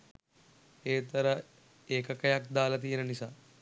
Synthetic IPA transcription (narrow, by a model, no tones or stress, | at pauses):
eːt̪ɐɾɐ | eːkɐkɐjak̚d̪aːlɐt̪̬ijnɐnisa